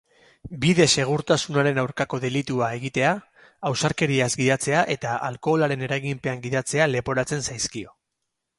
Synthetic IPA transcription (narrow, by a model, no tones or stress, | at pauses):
biðe̞se̞ɣ̞uɾt̪asunaɾe̞nawɾkako̞ðe̞lit̪uae̞ɣit̪e̞aː | wsaɾke̞ɾiazɡiðat͡se̞aʔe̞t̪aʔa̰lko̞laɾe̞ne̞ɾaɣimpe̞aŋɡiðat͡se̞ale̞po̞ɾat͡se̞nsajskio̞